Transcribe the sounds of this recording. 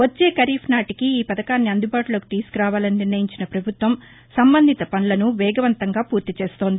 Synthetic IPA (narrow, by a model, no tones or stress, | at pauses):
ʋɐt͡ʃːe̞ːkɐɾiːpʰnaːʈikiiːpɐd̪ɐkaːnːiɐnd̪ubaːʈulo̞ːki̥t̪iːsu̥kuɾaːʋaːlɐniniɾnɐjiɲt͡ʃinɐpɾɐbʱut̪ʋɐm | sɐmbɐnd̪ʱit̪ɐpɐnulɐnuʋɛːɡɐʋɐnt̪ɐŋɡaːpuːɾt̪it͡ʃe̞ːst̪o̞ːnd̪i